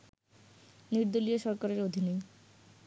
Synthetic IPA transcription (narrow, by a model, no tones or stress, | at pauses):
niɾd̪olijoʃɔɾkaɾeɾod̪ʱinej